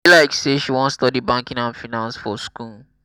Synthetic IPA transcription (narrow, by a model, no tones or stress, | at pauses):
laɪkseʃiwɔ̃nstɔdibãŋkĩŋãnfinãnsfɔsku